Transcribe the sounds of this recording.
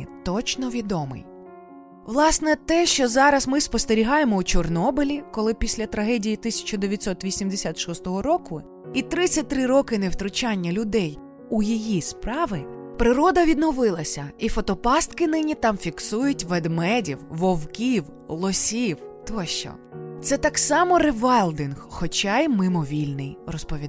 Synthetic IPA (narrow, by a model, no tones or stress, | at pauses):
t̪ɔt͡ʃnɔʋʲid̪ɔmɪ̰j | ʋlˠɑsnɛt̪ɛʃt͡ʃɔzɑɾɐzmɪspɔst̪eɾʲiɦɑjemɔut͡ʃɔrnɔbɪlʲikɔlˠɪpʲisʲlʲɐt̪ɾɐɦɛdʲijit̪ɪsʲɐ̥t͡ʃɔd̪eʋʲjɐtʲsɔt̪ʋʲisʲimd̪esʲat̪ʃɔst̪ɔɦɔɾɔkʊ | it̪ɾɪt͡sʲːɐt̚ʲt̪ɾɪɾɔkɪnewt̪ɾʊt͡ʃɑnʲːɐlʲʊd̪ɛj | ujijispɾɑʋɪpɾɪɾɔd̪ɐʋʲid̪nɔʋɪlˠɐsʲɐifɔt̪ɔpɑst̪kɪnɪnʲit̪ɑmfʲiksujʊtʲʋɛd̪mɛdʲiwʋɔwkʲiw | lˠɔsʲiwt̪ɔʃt͡ʃɔ̰ | t̪sɛt̪ɑksɑmɔɾeʋɛlˠd̪ɪnhxɔt͡ʃɑjmɪmɔʋʲilʲnɪjrɔspɔʋʲid̪